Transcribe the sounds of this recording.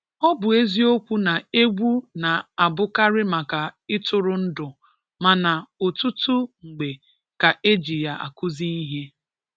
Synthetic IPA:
ɔ˦bʊ˨e˦zi˦o˦kʷu˦na˨e˦ɡʷu˦na˨a˨bʊ˦ka˦ɾɪ˦ma˨ka˨ɪ˦tʊ˦ɾʊ˨n̩˦dʊ˨ | ma˨na˨o˨tu˦tʊ˦ŋ͡m̩˨ɡ͡be˨ | ka˨ʔe˦d͡ʒi˨ja˨ʔa̰˨kʊ˦zi˦i˦ɦe˦

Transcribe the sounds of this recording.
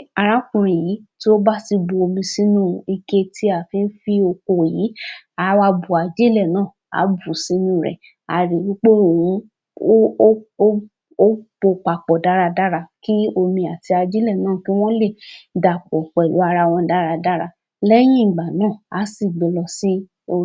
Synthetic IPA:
a˧ɾa˨˦kũ˧ɾ̃ĩ˨ji˨˦ti˦o˦ba˦ti˧bo˧o˧mĩ˧si˦nũ˦˧i˧ke˦tʰi˦a˦˨fĩ˨˧n̩˦fi˦o˧ko˧˨jiː˨˦ | a˧wa˧bu˨a˧d͡ʒe˦lɛ˦˨nãː˦˨ | a̰˨˦bu˦˨si˦nũ˦˨ɾɛ̰˨ | a̰˨ɾi˨wi˨˦k͡pe˦o˨wũ˧˦ | o˦bo˧k͡pa˨k͡pɔ˨da˨˦ɾa˧da˦ɾa˧ki˦o˧mĩ˧a˨ti˧a˧d͡ʒi˦lɛ˦˨nãː˦˨ki˦w̃ɔ̃˦le˦˨da˨k͡pɔ˨k͡pɛ˨lu˨˦a˧ɾa˧w̃ɔ̃˧da˨˦ɾa˧da˦ɾa˧ | lɛ˦j̃ĩ˦˨ɡ͡ba˨nãː˦˨a˨˦si˦˨ɡ͡be˨˧lɔ˧si˦ | o˧

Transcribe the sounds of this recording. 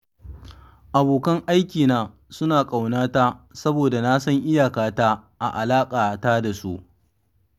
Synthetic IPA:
ʔa˨boː˨kɐ˦ŋʔa˦jkʲiː˨naː˦ | sʊ˦naː˨kʼa˨wnaː˦taː˦sɐ˦boː˨da˨na˦sɐ˦ŋʔɪ˦jaː˨kaː˨taː˦ʔa̰˨ʔa˨laː˦kʼaː˨taː˦da˨su˦ʔ

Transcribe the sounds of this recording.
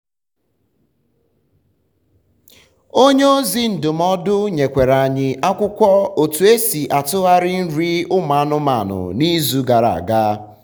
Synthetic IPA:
o˦ɲe˦o˦zi˦n̩˨dʊ˨m̩˦ɔ˦dʊ˦ɲe˨kʷe˨ɾa˨ɲɪ˦ʔa˦kʷʊ˦kʷɔ˦o˨tu˨e˦si˨ʔa˨tʊ˦ɣa˦ɾɪ˦n̩˦ɾi˦ʊ˦ma˨˦nʊ˦ma̰˨nʊ̰˨ni˦zu˦ɡa˨ɾa̰˨ɡa˦

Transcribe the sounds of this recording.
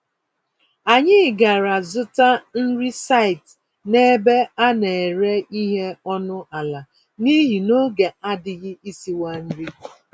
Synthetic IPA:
a˨ɲɪ˦˨ɡa˨ɾa˨zʊ˦ta˦n̩˦ɾi˦sa˦˨ɪ˨t | ne˦be˦a˦ne˨ɾe˦i˦ɦe˦ɔ˦nʊ˦ʔa˨la˨ | ni˦ɦi˨no˦ɡe˨a˦dɪ˨ɣɪ˦i˦si˦wa˦n̩˦ɾi˦

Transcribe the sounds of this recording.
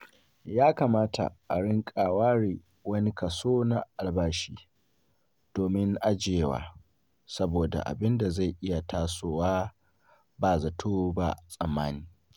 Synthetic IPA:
jaː˦kaː˨maː˦ta̰˨ʔa˨ɽɪ˦ŋkʼaː˨waː˦ɽiː˨ | wɐ˦ni˦ka˨soː˦na˨ʔa˨lbaː˦ʃiː˦ | d̥oː˨mɪ˦ŋʔa˦d͡ʒeː˨wa̰ː˦ | sɐ˦boː˨da̰˨ʔa̰˨bɪ˦nda˨za˦˨jʔɪ˦ja˨tʰaː˦soː˨waː˦ | baː˨zɐ˨tʰoː˦ba̰˦sʼɐ˨mːaː˦niː˦

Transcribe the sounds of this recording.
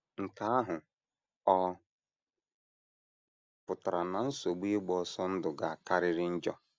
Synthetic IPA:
ŋ̩˨ka˨˦a˦ɦʊ˨ | ɔ˦ | pʊ˨ta˨ɾa˨na˨n̩˦so˨ɡ͡bi˦ɡ͡bɔ˨sɔ˦n̩˦dʊ˨ɡa˨a˨ka˦ɾɪ˦ɾɪ˦n̩˦d͡ʒɔ˦

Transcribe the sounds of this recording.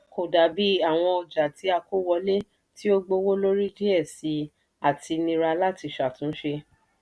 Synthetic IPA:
ko˨da˨˦bi˦a˦˨w̃ɔ̃˧ɔ˨d͡ʒa˨ti˨˦a˧ko˦wɔ˧le˦ | ti˦o˦ɡ͡bo˧wo˦lo˦ɾi˦di˦ɛ˦˨si˨˦ | a˦˨tʰi˧nĩ˧ɾa˧la˦˨ti˧ʃa˨tũ˨˦ʃe˧

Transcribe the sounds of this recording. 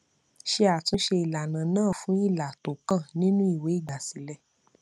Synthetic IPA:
ʃe˧a˨tũ˧˦ʃe˧i˨la˨nã˨nãː˦˨fũ˨˦i˦˨la˨to˨kã˦˨nĩ˦nũ˦i˦˨we˨˦i˦˨ɡ͡ba˨si˨˦lɛ˨

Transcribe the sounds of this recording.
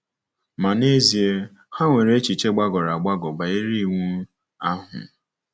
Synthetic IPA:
ma˨ne˦zi˨e˦ | ha˦ŋʷe˨ɾe˦t͡ʃi˨t͡ʃe˦ɡ͡ba˦ɡɔ˨ɾa˨ɡ͡ba˦ɡɔ˨ɡ͡ba˨i˦ɾi˦˨ŋu˦ | a˦ɦʊ̰˨

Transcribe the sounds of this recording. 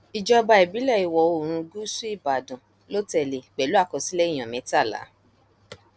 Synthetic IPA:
i˨d͡ʒɔ˧ba˧ɛ˨bi˨˦lɛ˦˨i˨wɔ˨o˦˨ɾ̃ũ˧ɡu˦su˦i˦˨ba˨dũ˨ | lo˦tɛ˨le˨ɡ͡bɛ˨lu˦a˦˨kɔ˧si˦lɛ˦i˦˨j̃ɔ̃˨mɛ̃˨˦ta˦˨la̰˨˦

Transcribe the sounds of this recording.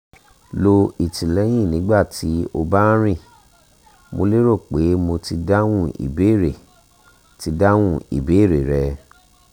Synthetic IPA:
lo˧i˨tĩ˨lɛ˨˦j̃ĩ˦˨nĩ˨˦ɡ͡ba˦˨ti˨˦o˧ba˦ɾ̃ĩ˦˨ | mo˧le˦ɾo˦˨k͡pe˨˦mo˧ti˧da˦w̃ũ˦˨ḭ˨be˨˦˨ɾe˨ | ti˧da˦w̃ũ˦˨ḭ˨be˨˦˨ɾe˨ɾɛ˧

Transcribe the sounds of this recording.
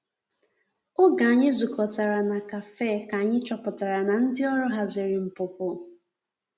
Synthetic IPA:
ʊ˦ɡa˨a˨ɲɪ˦zʊ˨kɔ˨ta˨ɾa˨na˨ka˨fe˦˨ka˨ɲɪ˦t͡ʃɔ˨pʊ˨ta˨ɾa˨na˨n̩˦dɪ˦ɔ˦ɾʊ˦ɦa˦zɪ˨ɾɪ˨m̩˨pʊ˨pʊ˦

